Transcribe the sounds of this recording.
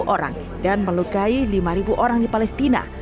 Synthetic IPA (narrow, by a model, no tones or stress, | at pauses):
ʔoɾa̰ŋ | danməlukailimaɾibuʔoɾaŋdipalɛst̪ina̰